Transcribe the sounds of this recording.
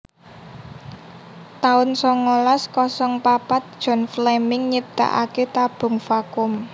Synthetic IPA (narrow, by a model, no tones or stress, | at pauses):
t̪aʊnsɔŋolaskɔsɔŋpapat̪̚d̥ʒ̥ɔ̤nflamɪŋɲip̚t̪a̰ʔa̰ket̪ab̥ʊ̤ŋfakʊm